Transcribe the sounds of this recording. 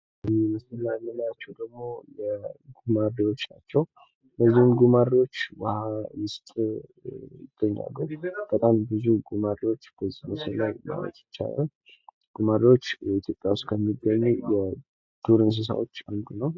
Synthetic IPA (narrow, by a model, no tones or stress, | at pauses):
məsənajmːənajat͡ʃːɛwd̪əɡmo̞jɛɡumario̞t͡ʃːna̰t͡ʃːɛw | bəzːihɨmɡumaɾiwo̞t͡ʃːwahawɨst̪ʼɨ | d̪̥əɲːa̰lːub̥ət̪ʼambɨzuɡumaɾio̞t͡ʃːb̥əzːihməsənːajma̰wə̰t̪ʼt͡ʃːa̰lə̰ | ɡ̥umaɾio̞t͡ʃːit̪ʰjo̞pʼːjawʊst̪kʰəmːiɡːəɲːujɛ | d̪̥uɾɨns̬ɨs̬a̰wot͡ʃːand̪unəw